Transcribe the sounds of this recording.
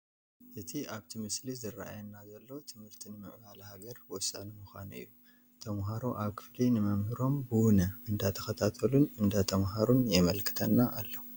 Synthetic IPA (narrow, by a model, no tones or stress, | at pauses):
ʔɨt̪ʰiʔaβt̪ʰimɨslizɨrːaa̰jɐnːazɐlːo̞t̪ʰɨmhɨɾt̪ʰinɨmɨʕβalhaɡɐɾwɔsa̰nɨmuxʷanɨ̰jːu | t̪ʰɐmɦaɾoʔaβkʰɨ̥flinɨmɐmhɨɾo̞mbɨwunɐɨnd̪at̪ʰɐ̥xɐt̪ʰat̪ʰɐlunɨnd̪at̪ʰɐmɦaɾunjɛmɐlkʰɨ̥t̪ʰɐnːaʔalːo